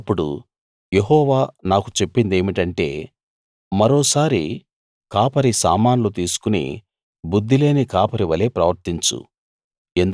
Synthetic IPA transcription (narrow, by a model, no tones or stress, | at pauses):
ɐpːuɽṵ | je̞ɦɔːʋaːnaːkut͡ʃe̞pːind̪e̞ːmiʈɐɳʈe̞̰ː | mɐɾoːsaːɾi | kaːpɐɾisa̰ːmaːnlut̪iːsu̥kunḭ | bud̪ʱːile̞ːnikaːpɐɾiʋɐle̞ːpɾɐʋɐɾt̪iɲt͡ʃṵ | end̪